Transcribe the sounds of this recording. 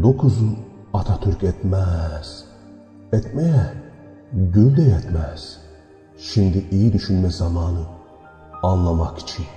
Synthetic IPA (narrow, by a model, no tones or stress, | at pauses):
d̪okʰuzɯn | at̪ʰat̪ʰyɾcɛt̪mæz̥ | ɛt̪mejɛ | ɟylʲd̪ɛjɛt̪mæz̥ | ʃimd̪iʔijid̪yʃynmɛzamaːnɯ | anlˠamaki̥t͡ʃʰin